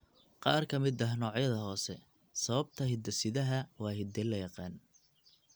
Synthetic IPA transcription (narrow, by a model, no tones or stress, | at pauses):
qɑːrkʰɐmɪd̪ɐɦnɔːʕjɐðɐɦɔːsɛ̰ | sɐβɐb̚t̪ʰɐɦɪd̪ɐsɪðɐɦɐwɑːɦɪd̪ɛlːɐjɑqɑːn